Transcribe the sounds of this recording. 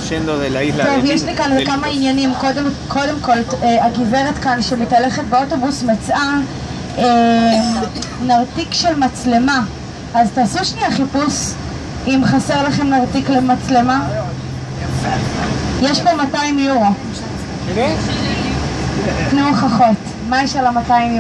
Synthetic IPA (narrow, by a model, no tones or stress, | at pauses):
t̪ovjeʃlikanvekamainjanimko̞demkʰo̞de̞mko̞leaɡiveʁet̪kanʃemitale̞χet̚beoto̞busmet͡sa | e | naʁtikʃelmat͡sle̞ma | aztaːsuʃniaχipus | imχaseʁlaχemnaʁtiklemat͡sle̞ma | jeʃbomataimjuʁo | tnuχaχo̞t | majeʃalamataim